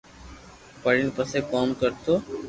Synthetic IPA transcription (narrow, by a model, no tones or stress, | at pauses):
pəɽinpəsekoːmkəɾt̪oː